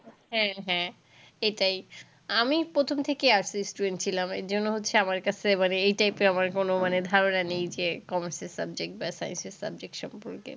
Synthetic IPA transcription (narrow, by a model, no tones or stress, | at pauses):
ɦɛ̃ɦɛ̃ | eʈaj | amipɾot̪ʰomt̪ʰekeaɾsisʈuɖeɳʈ̚t͡ɕʰilamḛɾd͡ʑonːoɦotːʰeamaɾkat͡ɕʰemaneejʈajpeamaɾkonomaned̪ʱaɾonanejd͡ʑekɔmaɾseɾsabd͡ʑek̚ʈ̚basa̰jḛnseɾsa̰b̚d͡ʑek̚ʈʃɔmpoɾkḛ